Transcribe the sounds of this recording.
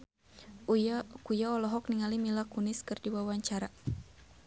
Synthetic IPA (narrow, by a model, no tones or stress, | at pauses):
kujaɔlɔɦɔk̚niŋalimilakunɪskɨrdiwawaɲt͡ʃaɾa